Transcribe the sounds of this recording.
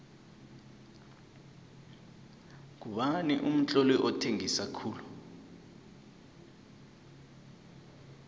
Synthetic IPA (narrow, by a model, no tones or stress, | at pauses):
k̬uɓanḭʔum̩t͡ɬʼɔlɛʔɔtʰeŋisakʰuːlu